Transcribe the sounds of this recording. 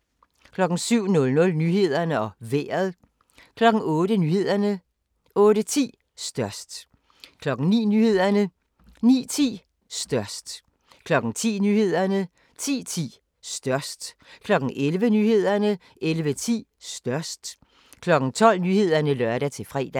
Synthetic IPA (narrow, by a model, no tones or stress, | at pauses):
kʰlɒ̽ɡ̥n̩syʊ̰nɔ̽lnɔ̽lnyɦe̝ð̞̰ˠɐnəɒ̽ʋeːɐð̞ˠ | kʰlɒ̽ɡ̥ŋ̩ɔ̽ːɾənyːhe̝ð̞̰ˠɐnə | ɔ̽ːɾət͡sʰḭː | sd̥ɶɐsd̥ | kʰlɒ̽ɡ̥ŋ̩nḭːnyːhe̝ð̞̰ˠɐnə | nḭːt͡sʰḭː | sd̥ɶɐ̰sd̥ | kʰlɒ̽ɡ̥ŋ̩t͡sʰḭːnyːhe̝ð̞̰ˠɐnə | t͡sʰḭːt͡sʰḭː | sd̥ɶɐsd̥ | kʰlɒ̽ɡ̥ŋ̩ʔelʋənyːhe̝ð̞̰ˠɐnə | elʋət͡sʰḭːsd̥ɶɐsd̥ | kʰlɒ̽ɡ̥ŋ̩t͡sʰɒ̽l̰nyːhe̝ð̞̰ˠɐnəlɶɐɾæt͡sʰe̝lfʁɛ̰ːd̥æ